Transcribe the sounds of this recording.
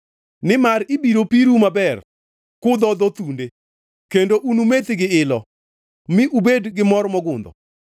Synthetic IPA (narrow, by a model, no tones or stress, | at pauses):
nɪmaɾibiɾopiɾumabɛr | kʊd̪ɔd̪ɔt̪unde | kendoʔunumet̪ɪɡɪɪlɔ | mɪʔubedɡɪmɔɾmɔɡʊnd̪ɔ̰